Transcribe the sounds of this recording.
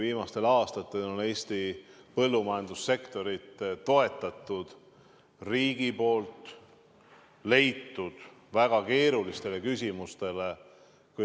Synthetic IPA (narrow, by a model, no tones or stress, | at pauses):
viːmɑst̪e̞lɑːst̪ɑt̪ːˑe̞lo̞ne̞ːsʲt̪ipɤ̞lːumɑjɑnd̪̥usːe̞kt̪o̞ɾit̪t̪o̞e̞t̪ːˑɑt̪ˑːud̪̥ | riːɡ̥ipo̞ːlt̪ˑ | le̞jt̪ːud̪̥ | væɡ̥ɑke̞ːɾulist̪e̞le̞kysʲimust̪e̞le̞ | ku